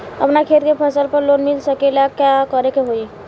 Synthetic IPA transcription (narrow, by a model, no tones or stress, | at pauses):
ə̰pnakʰeːt̪kepʰəsəlpəɾloːnmɪlsəkelakjakəɾekeɦoi